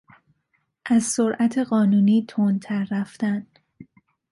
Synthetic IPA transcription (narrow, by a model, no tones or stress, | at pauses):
ʔæzsoɾʔæt̪ʰeɢɒːnuːniːt̪ʰont̪ʰæɾːæft̪æn